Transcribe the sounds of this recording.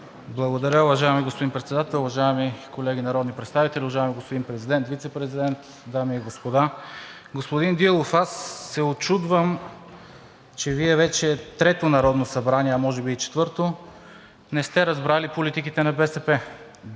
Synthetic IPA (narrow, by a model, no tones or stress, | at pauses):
blˠɐɡod̪ɐɾʲjəʊvɐʒaɛmiɡospod̪inpɾɛt̪sɛd̪at̪ɛlˠʊvɐʒaɛmikolɛɡ̟inɐɾɔd̪nipɾɛt̪st̪avit̪ɛlʲiʊvɐʒaɛmiɡospod̪inpɾɛzid̪ɛnt̪vit̪sɛpɾɛzid̪ɛnt̪ | d̪amiɛɡospod̪a | ɡospod̪ind̪ilˠofasːɛot͡ʃud̪vəm | t͡ʃɛviɛvɛt͡ʃɛt̪ɾɛt̪onɐɾɔd̪nosɐbɾaniɛɐmɔʒɛbiːt͡ʃɛ̥t̪vɤɾt̪o | nɛst̪ɛɾɐzbɾalipolit̪ikit̪ɛnɐbɛsɛpɛ